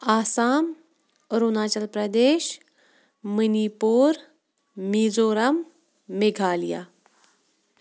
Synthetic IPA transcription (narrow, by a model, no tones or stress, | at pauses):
aːsaːm | ɾunaːt͡ʃɐlpɾɐd̪eːɕ | mənipoːɾ | mid͡zoːɾɐmː | eɡʱaːlija̰